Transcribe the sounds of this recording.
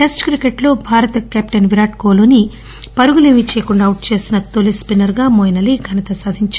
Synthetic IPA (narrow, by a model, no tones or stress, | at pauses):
esʈkɾikeʈlo̞ːbʱaːɾɐt̪ɐkaːpʈɐnʋiɾaːʈko̞ːloːni | pɐɾuɡulemit͡ʃeːkuɳɖaːwuʈ̚t͡ʃe̞ːsinɐt̪olispinɐɾɡaːmoːjnɐliɡʱɐnɐt̪ɐsaːd̪ʱiɲt͡ʃ